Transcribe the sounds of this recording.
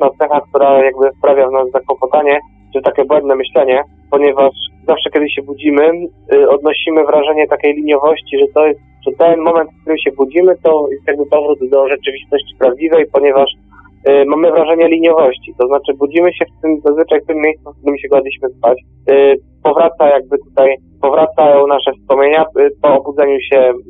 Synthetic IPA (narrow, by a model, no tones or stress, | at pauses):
nat̪sɛxak̚t̪uɾajaɡ̚bɘspɾavʲjavnazzakwɔpɔt̪aɲɛ | ʈ͡ʂɨt̪akʲɛbwɛnd̪nɛmɘɕlɛɲɛ | pɔɲɛvaʂzafʂɛkʲɛd̪ɘɕɛbud͡ʑimɘɔd̪̚nɔɕimɘvɾaʐɛɲɛt̪akʲejlʲiɲjɔvɔɕt͡ɕiʐɛt̪ɔjɛst̪ʐɛt̪ɛnmɔmɛnt̪fkt̪uɾɘmɕɛbud͡ʑimɘt̪ɔjɛst̪jaɡ̚bɘpɔvɾud̪d̪ɔʐɛt͡ʂɘvʲist̪ɔɕt͡ɕi̥pɾavd͡ʑivɛjpɔɲɛvaʂ | mamɘvɾaʐɛɲɛlʲiɲjɔvɔɕt͡ɕit̪ɔznat͡ʂɘbud͡ʑimɘɕɛft̪ɘmzazvɘt͡ʂajft̪ɘmːʲjejst̪sufk̚t̪uɾɘmɕɛɡad̪ʲiɕmɘspat͡ɕ | pɔvɾat̪sajaɡ̚bɘt̪ut̪aj | pɔvɾat̪saɔnaʂɛfspɔmʲeɲapɔːbud̪zɛɲuɕɛ